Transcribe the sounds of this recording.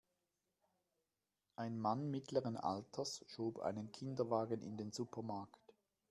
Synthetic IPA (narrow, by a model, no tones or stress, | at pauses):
ʔaɪnmanmɪtləʁənʔa̰ltʰɐsʃoːbʔa̰ɪnənkʰɪndɐvaːɡənʔɪ̰ndeːnzupʰɐmaɐkt